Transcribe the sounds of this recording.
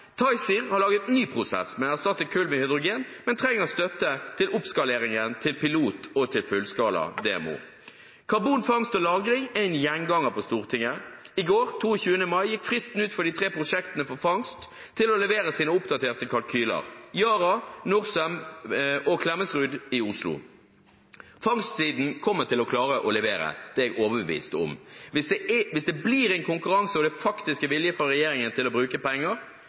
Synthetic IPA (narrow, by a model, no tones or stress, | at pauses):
t̪ʰɑɪsiʁhɑʁlɑːɡət̪nyːpʰʁʊsɛ̰smɛnæʁst̪ɑt̪ːəkʰʉlmɛhʏd̪ʁʊɡeːnmɛnt̪ʰʁɛŋːəʁɔst̪œt̪ːət̪ʰɪlʔʊpskɑleːʁɪŋənt̪ʰɪlpɪluːt̪ʰɔt̪ʰɪlfʉlskɑːlɑ̰d̪ḛːɛ̰mṵː | kʰɑʁbuːnfɑŋst̪ɔlɑːɡɾɪŋæɪnjɛŋɡɑŋəpʰɔst̪uːʁt̪ʰɪŋːəɪɡoːʁt̪ʰuːəçʉːənəmɑɪjɪkfʁɪst̪n̩ʉːt̪fɔd̪iːt̪ʰʁeːpʁʊʂɛkt̪ənəfɔʁfɑŋst̪ʰː | ɪlɔlɛʋeːɾəsiːnəʊpd̪ɑt̪ʰeːʁt̪əkʰɑlkʰyːlɑ̰ʁjɑːɾɑnʊʁsəm | ɔkʰlɛməsʁʉːd̪ɪʊslʊ̰ | fɑŋst̪siːd̪n̩kʰɔmːəʁt̪ɪlɔkʰlɑːʁəʔɔlɛʋeːɾə̰d̪̥ɛːɛɡoːʋəbəʋḭːst̪ɔ̰mʋɪsd̪ɛʋɪsd̪ɛbliːɾɛɪnkʰʊŋkʉɾɑŋsəɔd̪ɛfɑkt̪ɪskəʋɪljəfɔɾɛjeːɾɪŋənt̪ʰɪlɔbɾʉːkəpɛŋːəɾ